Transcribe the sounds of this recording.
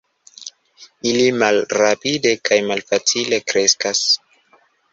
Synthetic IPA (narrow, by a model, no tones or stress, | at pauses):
ilimalɾapide̞kʰajmalfat͡sile̞kɾe̞skas